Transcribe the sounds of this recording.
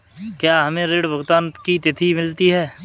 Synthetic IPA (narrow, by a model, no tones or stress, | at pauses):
kjaːɦɐmẽɾeːɖbʱʊɡt̪aːnkit̪ɪt̪ʰimɪlt̪iɦɛː